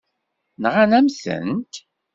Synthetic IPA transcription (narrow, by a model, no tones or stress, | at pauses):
nʁanæmθə̰nt̪